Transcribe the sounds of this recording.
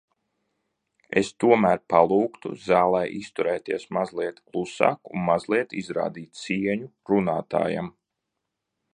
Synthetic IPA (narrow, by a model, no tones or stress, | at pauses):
ḛst̪uɔmæːɾpalˠuːkt̪ṵzaːlˠɛjʔist̪uɾɛːt̪iɛsmazlˠiɛt̪klˠusa̰ːkṵnmazlˠiɛt̪izɾa̰ːd̪iːt̪̚ʲsiɛɲu | ɾunaːt̪a̰ːja̰m